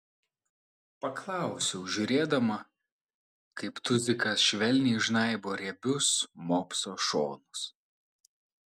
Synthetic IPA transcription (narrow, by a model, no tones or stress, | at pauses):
pɐklˠɑˑʊsʲɛʊʒʲʊɾʲeːd̪ɐmɐ | kɐɪpt̪ʊzʲɪkɐsʃʲʋʲɛlʲnʲiːʒnɐˑɪboːɾʲɛbʲʊsmoːpsoːʃoːnʊs